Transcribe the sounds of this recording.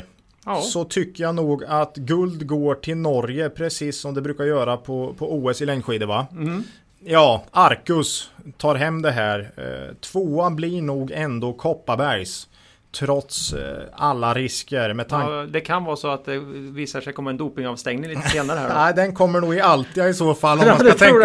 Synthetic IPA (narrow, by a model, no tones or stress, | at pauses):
sɔt̪ʰʏkːəɾjanuːɡat̪ɡɵld̪ɡoːʈʰɪlnɔɾjəpʰɾɛsiːsːɔmd̪ɛbɾʉ̟ːkaɾjœːɾapʰɔpʰɔuːɛsɪlɛŋːɧiːd̪əva | jɑːaɾkɵst̪ʰɑːɾɦɛmːd̪ɛɦæːɾt̪ʰv̥oːablɪɳuːɡɛnd̪oːkʰɔpːabæɾjs | t̪ʰɾɔt̪salːaɾɪskəɾmɛt̪ʰaŋd̪ɛkʰanvɑːsɔat̪̚d̪ɛviːsaʂɛjkʰɔmːaɛnd̪uːpɪŋɑvst̪ɛŋnɪŋliːt̪seːnaɾəhææɪd̪ɛnkʰɔmːəɳuːɡɪalt̪ʰiːɪsoːfalːɔmmansaɛ